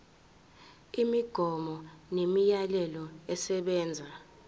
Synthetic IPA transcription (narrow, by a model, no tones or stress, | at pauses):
imiɡ̥ʱɔmɔnemijalɛlɔɛsɛɓɛːnd͡zʱa